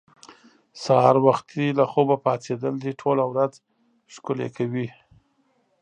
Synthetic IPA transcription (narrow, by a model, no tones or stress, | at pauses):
sahɑɾwaxt̪ʰilaxobapɑt͡sed̪əld̪iʈʰolawɾaz | ʃkʊlḛkʰawi